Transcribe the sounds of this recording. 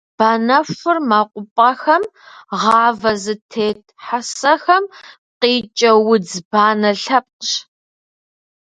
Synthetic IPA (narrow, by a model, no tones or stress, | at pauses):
b̥aːnɐʂʷʊrmaːqʷʼʊpʼɐxɐm | ʁɑːvɐzɨtʰeːtʰħasɐxɐm | qiːt͡ʃʼɐwʊd͡zbaːnɐɬɐp̚ʼɕ